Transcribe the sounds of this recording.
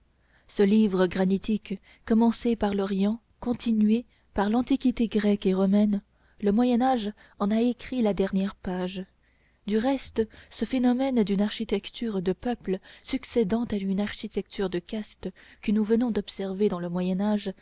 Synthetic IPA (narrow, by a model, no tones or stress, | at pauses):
səlivʁəɡʁanit̪ʰikː | ɔmɑ̃sepaʁlɔʁjɑ̃ | kɔ̃t̪ʰinɥe | paʁlɑ̃t̪ikʲit̪eɡʁɛkeʁɔmɛn | ləmwajɛnaʒ | ɑ̃naekχilad̪ɛʁnjɛʁpaʒ | d̪yʁɛst̪səfenɔmɛnd̪ynaʁʃit̪ɛkt̪ʰyʁd̪əpœpləsyksed̪ɑ̃t̪aynaʁʃit̪ɛkt̪ʰyʁd̪əkast̪əkənuvənɔ̃d̪ɔpsɛʁved̪ɑ̃ləmwajɛnaʒ